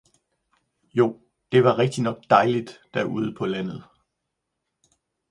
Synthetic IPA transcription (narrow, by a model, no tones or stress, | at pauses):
jo̝ː | d̥e̝ʋɑ̈ʁeɡ̥̚d̥inɒ̽ɡ̥̚d̥ɑ̈ɪlid̥ːæɐʔuð̞ˠəpʰɒ̽læn̰ð̞̩ˠ